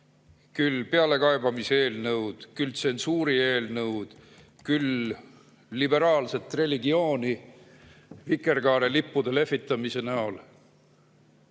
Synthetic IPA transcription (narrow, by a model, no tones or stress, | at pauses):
kylːpe̞ɑle̞kɑebɑmiseːlnɤwd̪̥kylt̪se̞nsuːɾie̞ːlnɤwd̪̥ | kylː | ibe̞ɾɑːlse̞t̪ːˑre̞liɡio̞ːni | vikˑe̞rɡɑːɾelipːud̪̥ele̞fːit̪ːˑɑmise̞næol